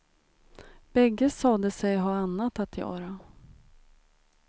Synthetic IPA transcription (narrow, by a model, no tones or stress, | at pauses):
b̥ɛɡːəsɑːd̪əsɛjɦɑːanːat̪at̪ʰjœ̰ːɾa